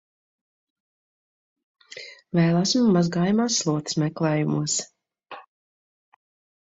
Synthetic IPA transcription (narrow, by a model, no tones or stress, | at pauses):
vɛːlˠasʲmmːazɡaːjamaːsːlˠuɔt̪smɛklˠɛːjumuɔs